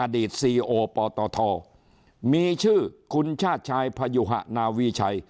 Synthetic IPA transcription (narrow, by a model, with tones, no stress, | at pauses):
ʔa˧diː˨˩t̪̚siː˧ʔoː˧pɔː˧t̪ɔː˧t̪ʰɔː˧ | miː˧t͡ɕʰɯː˥˩kʰu˧nt͡ɕʰaː˥˩t̪̚t͡ɕʰaː˧jpʰa˧ju˧ɦa̰˧˩ʔnaː˧wiː˧t͡ɕʰa˧j